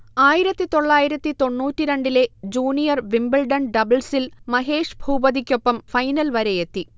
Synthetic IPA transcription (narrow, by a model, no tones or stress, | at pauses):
aːjiɾɐt̪ːit̪o̞ɭːaːjiɾɐt̪ːit̪o̞ɳːuːtːiɾe̞ɳɖile̞d͡ʑuːnijɐrʋimbɐlɖɐnɖɐbɐlsilmɐɦe̞ːʂbʱuːbɐðikʲːo̞pːɐmfɐjnɐlʋɐɾejet̪ːi